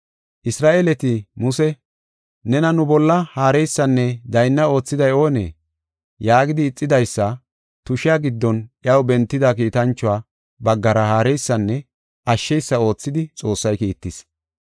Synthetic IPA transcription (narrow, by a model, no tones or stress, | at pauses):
ʔɪsɾaːʔeːlɛt̪ɪmʊsɛ | nɛnɐnʊbɔlːɐhaːɾɛjsːɐnːɛd̪ɐjnːɐo̞ːt͡sːɪd̪ɐjo̞ːnḛː | jaːɡɪd̪ɪːt͡sʼːɪd̪ɐjsːɐ | t̪ʊʃɪjaɡɪd̪ːɔnʔjɐwbɛnt̪ːɪd̪ak̬iːt̪ɐnt͡ʃːʊwaː | bɐɡːɐɾɐhaːɾɛjsːɐnːɛ | ʔɐʃːɛjsːɐo̞ːt͡sːɪd̪ɪt͡sʼo̞ːsːɐjkiːt̪ːɪs